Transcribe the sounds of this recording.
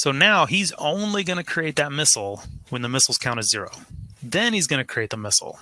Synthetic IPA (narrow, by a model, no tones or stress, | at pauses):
soʊnaʊizõʊ̃nliɡʌnɨkʰɹ̥ieɪt̪̚ðɨt̚mɪsl̩ˠwə̃nðəmɪsl̩ˠz̥kʰãʊ̃ñɨz̥ɪɹo̰ʊðɨ̃nizɡʌnɨkʰɹ̥ieɪðəmɪsl̩ˠ